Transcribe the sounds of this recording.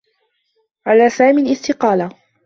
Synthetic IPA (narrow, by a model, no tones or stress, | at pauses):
ʕalaːsaːmiːlɪst̪ɪqɑːla